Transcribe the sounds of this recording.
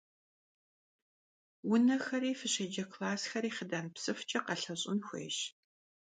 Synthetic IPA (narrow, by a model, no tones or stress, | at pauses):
wʊnɐxɐɾiːfɨɕɐd͡ʒɐkʰlaːsxɐɾiːχədaːnpsɨft͡ʃʼɐqɐɬɐɕʼʊnxʷḛːʃ